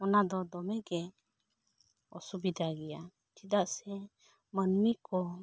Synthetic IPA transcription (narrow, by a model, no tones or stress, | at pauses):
ɔnad̪ɔd̪ɔmɛɡɛ | ɔ̰subid̪aɡɛja | d͡ʒid̪aʔsɛ | mənmikɔ